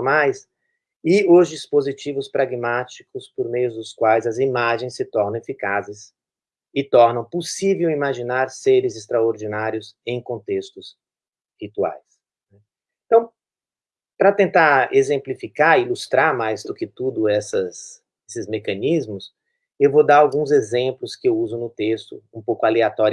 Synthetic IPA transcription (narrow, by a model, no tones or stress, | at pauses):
majs | ɪʊzd͡ʒispozit͡ʃivʊspɾaɡmat͡ʃikʊspoɾmejʊzd̪ʊskwajzɐzimaʒẽj̃sːɪt̪ɔɾnɐ̃w̃efikazɪs | ɪt̪ɔɾnɐ̃w̃posivewimaʒinaɾseɾɪzɪst̪ɾaoɾd͡ʒinaɾjʊzẽj̃kõnt̪est̪ʊs | hit̪ua̰js | nɛ | ẽt̪ɐ̃w̃ | pɾɐt̪ẽnt̪aɾezẽmplifikaɾɪilust̪ɾaɾmajzd̪ʊkɪt̪ud̪ʊɛsɐs | esɪzmekɐ̃nizmʊs | ewvod̪aɾawɡũzezẽmplʊskɪewuzʊnʊt̪est̪ʊ̰ũpowkʊaleat̪ɔɾ